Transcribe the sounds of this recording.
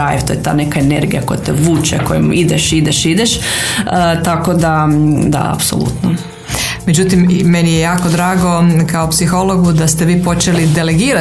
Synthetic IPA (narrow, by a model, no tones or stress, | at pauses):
ajft̪ojet̪a̰ːnekaeneɾɡijakojt̪ɛʋuːt͡ʃɛkojimid̪eʃid̪eʃid̪eʃ | t̪akod̪ad̪a̰a̰pso̰lˠṵt̪no | med͡ʑut̪imːenijejaːko̞d̪ɾaːɡo̞kaopsixo̞lo̞ɡud̪ast̪e̞ʋiːpo̞t͡ʃelid̪e̞le̞ɡiːɾa